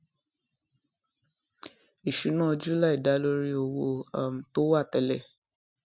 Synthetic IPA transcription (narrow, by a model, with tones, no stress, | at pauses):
i˨ʃu˨˦nãː˦˧d͡ʒu˦la˦i˦˨da˨˦lo˧˦ɾi˦o˧˨wo˧a˨m̩˨to˦wa˦˨tɛ˧˨lɛ˨